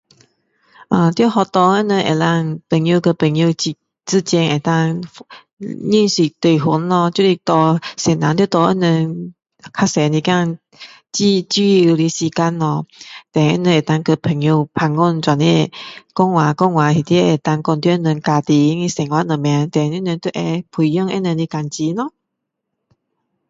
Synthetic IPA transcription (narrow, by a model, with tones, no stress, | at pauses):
ʔə˧˩t̪jo˥˧hɔ˧t̪ɔ˧ə˥˧˥nə˧ʔḛ˨˩la˧ŋpə˨˩ŋju˧kə˧pə˨˩ŋju˧t͡ɕi˧ | t͡sɨ˥˧t͡ɕɛ˧nʔe˨˩t̪a˧ŋ | ɲi˥˧nsi˨˩t̪we˨˩ɦu˨˦nlɔ˧t͡ɕu˧li˧t̪ɔ˧sɛ˨˩nã˨˦nt̪jo˥˧t̪ɔ˧ʔə˧˥˨nə˧n | kʰa˧sɛ˨˧nĩ˧ka˥˧ŋ | t͡ɕi˥˧t͡ɕi˧li˧si˧ka˧nɔ˧t̪ɛ˨ɛ̰˦˧˥nə˧e˨˩t̪a˧ŋkə˧pʰə˨˩ŋju˧pʰa˧ŋːu˥˧˨nt͡swa˨nɛ˧˩˨kɔ˥˧˨ŋwa˨kɔ˧ŋwa˨hi˨˩t̪i˧˦e˨˩t̪a˧ŋkɔ˧nt̪jʔə˧nə˧ŋka˧t̪i˧ŋi˧sɛ˨˩ŋwa˧˦˥nə˨˩mja˧t̪ɛ˨ni˧˥˦nə˧nt̪u˧ʔɛ˧pʰu˧˨jɔ˥˧ŋɛ̰˦˧˦nə˧nli˧ka˧nt͡ɕi˧˦nɔ˧˦